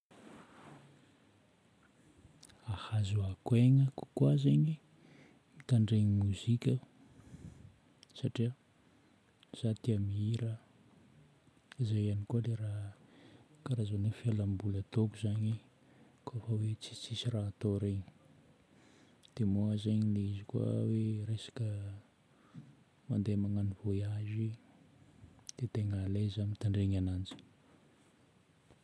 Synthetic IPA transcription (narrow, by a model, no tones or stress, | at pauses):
ahazuakweŋəku̥kwazeɲi | mit̪aɳɖ͡ʐeɲimuzikʲə | saʈ͡ʂiə | z̥at̪iamiiɾə | izajanikuəlera | kaɾazanefialambulət̪okuzaɲi | koafawet͡si̥t͡sisiraːt̪oɾeɲi̥ | d̪̥emoazeɲileizikua̰weɾesḁkə | mand̪emaŋanivojazi | d̪̥et̪eŋalezamit̪aɳɖ͡ʐeɲanand͡ʒi̥